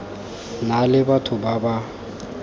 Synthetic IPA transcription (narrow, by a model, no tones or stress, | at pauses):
nalɪbatʰʊbaba